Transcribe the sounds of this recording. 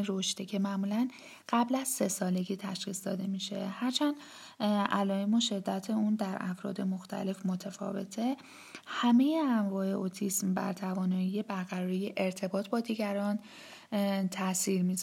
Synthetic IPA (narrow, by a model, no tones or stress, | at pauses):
ɾo̞ʃt̪ecʰe̞mæmuːlæn | ɢ̥æblæz̥se̞sɒːle̞ɟiːt̪ʰæʃxiːsd̪ɒːd̪e̞miːʃe̞̰hæɾt͡ʃʰænd | ʔælɒːemoʃe̞d̪ːæt̪ʰe̞und̪æɾʔæfɾɒ̰ːd̪e̞mo̞xt̪ʰæ̰le̞fmo̞t̪ʰefɒ̰ːve̞̰t̪ʰe̞ | hæme̞jeæɱvɒːeʔot̪ʰismbæ̰ɾt̪ʰævɒːnɒːjijebæɾɣæɾɒːɾijeʔeɾt̪ʰe̞bɒːt̪ʰbɒːd̪iːɟæɾɒːn | t̪ʰæsiːɾmiz